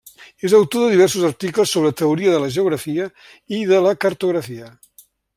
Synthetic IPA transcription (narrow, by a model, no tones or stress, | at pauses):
ezawt̪oðəðiβɛɾsuzɐɾt̪ikləsːoβɾət̪əuɾiəðələʒeuɣɾɐfiə | iðələkəɾt̪uɣɾəfiə